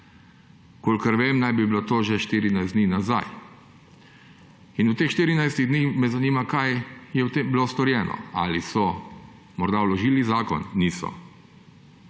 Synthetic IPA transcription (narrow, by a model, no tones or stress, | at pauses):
koːlkəɾʋeːmnajbiblot̪oːʒɛʃt̪iɾinajzd̪niːnaza̰j | inuwt̪eːxʃt̪iːɾinajst̪iɣd̪niːxmɛzaniːmakajjɛwt̪embilost̪ɔɾjɛːnɔ̰a̰lisɔ | mɔɾd̪awlɔʒiːlizaːkɔ̰nːiːsɔ̰